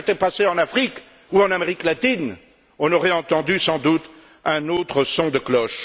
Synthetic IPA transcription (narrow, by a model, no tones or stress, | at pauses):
t̪ɛpaseɑ̃nafχik | uɑ̃nameʁiklat̪in | ɔ̃nɔʁɛɑ̃t̪ɑ̃d̪ysɑ̃d̪ut̪ | ɛ̃not̪χəsɔ̃d̪əklɔʃ